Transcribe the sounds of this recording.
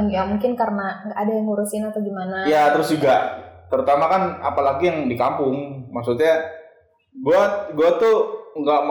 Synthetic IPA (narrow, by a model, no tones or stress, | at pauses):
jamuŋkɪnkarənaŋɡaʔːdajaŋhuɾʊsɪnat̪aɡimanajat̪əɾʊsd͡ʒuɡat̪əɾut̪amakana̰palaɡijaŋdikampʊŋmaksut̪̚ɲa | ɡuaɡuat̪uŋɡaʔm